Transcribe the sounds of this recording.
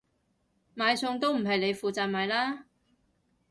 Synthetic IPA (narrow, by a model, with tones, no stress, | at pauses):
maː˨˧jsʊ˧ŋt̪o˥wm̩˨˩ɦɐ˨jle˨˧jfuː˨t͡saː˧t̚maː˨˧jlaː˥